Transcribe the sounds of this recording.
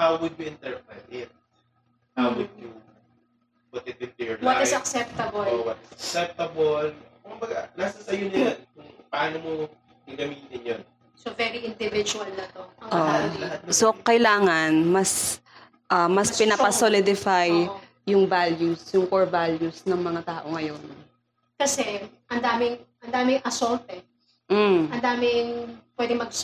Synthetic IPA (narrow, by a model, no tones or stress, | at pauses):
hawwʊd̪̚juɪ̃nt̪ɛɹpɛnɪt̪̚ | hawwʊd̪̚ju | pʊt̪ɛt̪ɪt̪ɛɹwɔɪsɐksɛp̚t̪ɐbolwɐt̪ɪsɐksɛp̚t̪ɐbolkʊmbɐɡalasɐsɐjonɐjɐnkʊŋpɐʔaːnomo | ɪɡɐmiːt̪ɪnjon | sovɛɾiɪ̃nd̪ɪvɪd͡ʒuɐlnɐt̪oɐʔot̪̚sokɐjlaːŋɐnmɐs | ʔɐmɐspɪnɐpɐsolɪd̪ɪfaj | jʊŋvaljusjʊŋkoɹvaljusnɐŋmɐŋat̪aːʔo̞ŋɐjo̞n | kɐsɛʔɐnd̪aːmɪŋʔɐnd̪aːmɪŋɐsolt̪ɛ | m̩ʔɐnd̪aːmɪŋpwɛd̪ɪŋmɐɡ̚